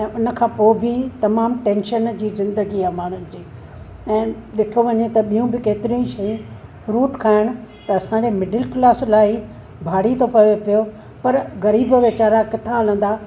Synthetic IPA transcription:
ɛ̃ːʊnə̆kʰãːpoːbʱɪt̪ɐmaːmʈẽːnʃənd͡ʑiːzɪ̃nd̪əɡiamaːɳ̤ʊnɪ̆d͡ʑiː | ɛ̃ːɗɪʈʰoʋɐɲet̪ɐɓijũbʱɪkeːt̪ɪɾĩʃɐjũfɾuːʈkʰaːɦɪɽ̃ʊ̆t̪ɐːsãɲd͡ʑeːmɪɖəlklaːslaːi | bʱaːɽ̤it̪ʰopɐʋepijo | pɐɾɣɐɾiːbʋɪt͡ɕaːɾakɪt̪ʰãɐlə̃n̆d̪aː

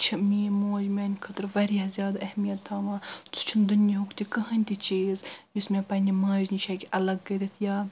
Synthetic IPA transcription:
t͡ʃʰimiːmoːd͡ʒmeːnʲkʰət̪ɾʋɐɾiɐzʲjaːd̪ɐhmijɐt̪ːaːʋãːt͡sʰu̥t͡ʃʰind̪unjiɦukt̪ikɐɦɐnʲt̪ʲit͡ʃiːzjismʲẽːpɐnʲimãːd͡ʒnit͡ʃʰɐkʲiʔɐlɐɡːɐɾʲit̪ʰjaː

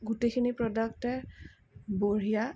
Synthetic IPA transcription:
ɡutejkʰinipɹɔdɔktɛ | boɹija

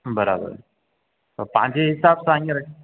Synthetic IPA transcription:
bəɾa̰bə̰ɾ | təpã̰ɲt͡ɕeɦisabsãŋɡeɾə

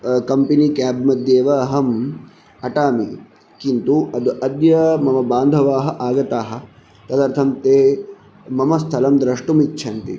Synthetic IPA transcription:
kɐmpinikaːbmɐd̪jeːʋɐɦɐm | ɐʈaːmi | kint̪uɐd̪uʔɐd̪jɐmɐmɐbaːnd̪ʱɐʋaːɦɐʔaːɡɐt̪aːɦɐ̆ | t̪ɐd̪ɐːɾt̪ʰɐmt̪eː | mɐmɐst̪ʰɐlɐmd̪ɾɐʂʈumitt͡ʃʰɐnt̪i

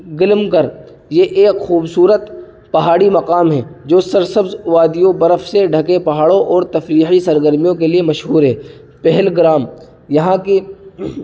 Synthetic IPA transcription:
ɡɪlmkɐɾ | jeʔeːkxuːbsuːɾət̪ | pɐɦaːɽimɐqaːmɦɛːd͡ʒoːsɐɾsɐbzʋaːd̪ijõbɐɾəfseɖʱɐkepɐɦaːɽõʔɔːɾt̪ɐfɾiːxisɐɾɡəɾmijõkeliemɐʃɦuːɾɦɛː | pɛɦɛlɡɪɾaːm | jɐɦãke

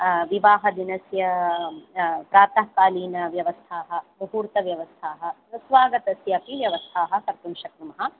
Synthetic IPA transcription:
ʋiʋaːɦɐd̪inɐsjɐ | pɾaːt̪ɐɦkaːliːnɐʋjɐʋɐst̪ʰaːɦɐ̆bɐɦuːɾt̪ɐʋjɐʋɐst̪ʰaːɦɐ̆nɐsʋaːɡɐt̪ɐsjɐpiʋjɐʋɐst̪ʰaːɦɐ̆kɐɾt̪unʃɐkɾumɐɦɐ̆

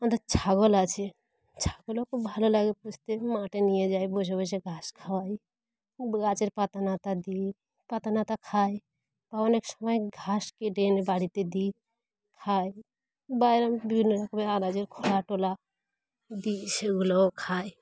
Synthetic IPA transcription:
ənd̪ət͡ʃʰaɡolat͡ʃʰe | t͡ʃʰaɡolɔkobʱalolaɡeput͡ʃʰt̪emaʈenijed͡ʒajbod͡ʒʱbəseɡʱaskʰawaj | ɡat͡ʃeɾpat̪anat̪ad̪i | pat̪anat̪akʰaj | paoneksəməjɡʱaskeɖenebaɽit̪ed̪i | kʰaj | bajɾəmbibʱinːəɾəkʰbealad͡ʒeɾkʰoɽaʈola | d̪iseuɡlɔkʰaj

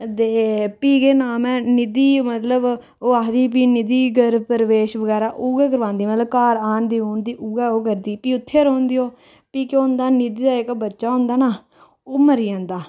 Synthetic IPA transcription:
t̪eːpiːɡeːnaːmɛ̃ːnɪd̪iːmət̪ləb | oːaːɦd̪iːp̬iːnɪd̪iːɡəɾpəɾʋeːʃʋəɡɛːɾaːʔuːɡɛːkəɾʋãːnd̪iːmət̪ləbkaːɾaːnd̪iːoːnd̪iːʔuːɡɛːoːkəɾd̪iːpiːʊt̪ʰːeːɾõːnd̪iːɦoː | piːkoʊ̃nd̪aːnɪd̪iːd̪aːɪkbətːʃaːɦʊ̃ːnd̪aːnaː | oːməɾiːãːnd̪aː

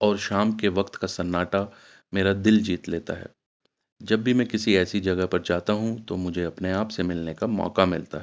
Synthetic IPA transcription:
ɔːɾʃaːmkeʋɐkt̪kasɐnːaːʈa | meːɾad̪ɪld͡ʒiːt̪leːt̪a̰ɦɛ̰ː | d͡ʒɐbːimɛ̃kɪsiɛːsid͡ʒɐɡəɦpɐɾd͡ʒaːt̪aɦũt̪omʊd͡ʒʱeɐpneaːpsemɪlnekamɔ̰ːkamɪ̰lt̪a̰ɦɛ

